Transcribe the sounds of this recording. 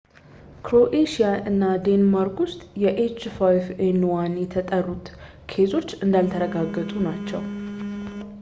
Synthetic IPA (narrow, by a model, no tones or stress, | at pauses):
kɾo̞ʔeʃijaʔɨnːad̪e̞nmaɾkwʊst̪ʼjɛʔet͡ʃfajfenwanjɛt̪ʰət̪ʼərːut̪ | kʰe̞zo̞t͡ʃːɨnd̪alt̪ʰəɾəɡaɡːət̪ʼunat͡ʃːɛ̰w